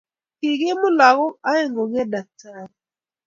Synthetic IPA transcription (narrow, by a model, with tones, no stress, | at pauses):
kɪ˨ɡɪ˦mʊ˦la˨ɣɔ˦a˦e˦˨ŋɡo˨ɡɛ˦da˨k̚tʰa˦ɾ